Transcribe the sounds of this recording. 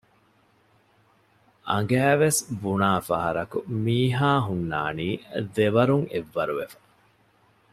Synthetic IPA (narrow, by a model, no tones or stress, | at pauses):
ʔɐ̰ŋ̆ɡæːʋesbunaːfɐɦɐɾɐkṵmiːɦaːɦunːa̰ːniːðeʋɐɾuŋeʋːɐɾuʋefɐ̥